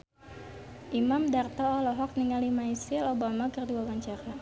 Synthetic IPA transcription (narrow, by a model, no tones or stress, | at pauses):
ʔimamdart̪ɔːlɔɦɔk̚niŋalimaisilobamakərduawaɲt͡ʃaɾa